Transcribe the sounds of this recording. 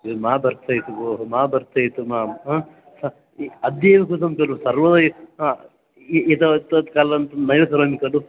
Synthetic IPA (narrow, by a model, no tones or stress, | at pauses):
maːbɐɾt̪ʰɐjt̪uɡoːɦumaːbɐɾt̪ʰɐjit̪umaː | sɐ | ɐd̪jɐʋɐkut̪ɐmkɐlusɐɾʋɐd̪ɐj | et̪ɐt̪ɐt̪kaːlɐnt̪ɐnɐjɐkɐɾɐmikɐlu